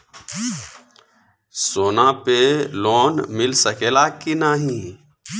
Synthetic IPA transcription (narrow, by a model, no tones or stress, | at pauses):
soːnapeloːnmɪlsəkeːlaːkinaːɦĩ